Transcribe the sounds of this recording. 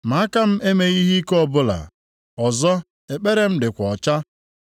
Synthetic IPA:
ma˨˦a˦ka˦m̩˦ʔe˦me˨i˦ɦi˦kɔ˦˨bʊ˦la̰˨ | ɔ˨zɔ˦ | e˨k͡pe˦ɾe˨m̩˦dɪ˨kʷɔ˨t͡ʃa˦

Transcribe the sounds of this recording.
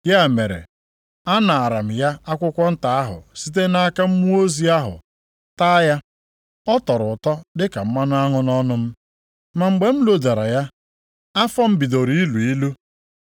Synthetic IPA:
ja˦˨me˨ɾḛ˨ | a˦na˨a˨ɾa˨m̩˨ja˦a˦kʷʊ˦kʷɔ˦n̩˦ta˨a˦ɦʊ̰˨si˦t̬e˦na˦ka˦m̩˦mu˦o˦zi˦a˦ɦʊ̰˨ | taː˦ja˦ | ɔ˦tɔ˨ɾʊ˨tɔ˦dɪ˦ka˨m̩˦ma˦nʊ˦a˦ŋʊ˦nɔ˦nʊ˦m̩˦ | ma˨ŋ͡m̩˨ɡ͡be˨m̩˦lo˨da˨ɾa̰˨ja˦ | a˦fɔ˦m̩˦bi˨do˨ɾi˦i˦lu˨i˦lu˦

